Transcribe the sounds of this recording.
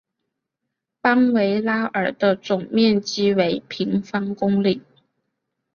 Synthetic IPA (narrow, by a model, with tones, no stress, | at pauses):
pa˥ŋwe˧˥ɪla˥ə˞˨˩d̪ə˦t͡sʊ˨˩ŋmjɛ˥˩nt͡ɕi˥we˧˥ɪpʰi˧˥ŋfɑ˥ŋkʊ˥ŋli˨˩˦